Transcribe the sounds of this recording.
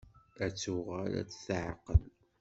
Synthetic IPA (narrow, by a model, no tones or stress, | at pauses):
æt͡sːuʁæɾæ̰t͡sːθʕəqːəl